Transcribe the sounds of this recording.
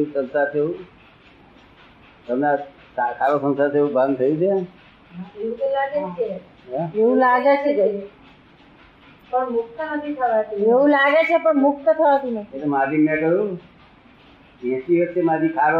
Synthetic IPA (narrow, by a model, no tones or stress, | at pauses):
eusəlsat͡ʃʰeũ | t̪əmna | sakʰaɾosənsat͡ʃʰeeũbʱãnt̪ʰəjũt͡ʃʰe | ɦaeũt̪olaɡet͡ʃʰe | eũlaɡet͡ʃʰe | pəɳmʊk̚t̪ənət̪ʰit̪ʰəʋat̪ueʋũlaɡet͡ʃʰepəɳmʊk̚t̪ət̪ʰəʋat̪uneelemad͡ʒimẽʈəjũ | ɛ̃siʋot͡ʃemad͡ʒikʰaɾo